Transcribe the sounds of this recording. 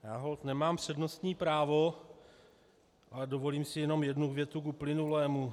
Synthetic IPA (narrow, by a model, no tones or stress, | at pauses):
jaːɦo̞lt̪nɛmaːmpr̝̥ɛdno̞st̪ɲiːpɾaːvo̞ | ʔalɛdo̞vo̞liːmsɪjɛno̞mjɛdnuɡvjɛt̪ukuplɪnulɛːmu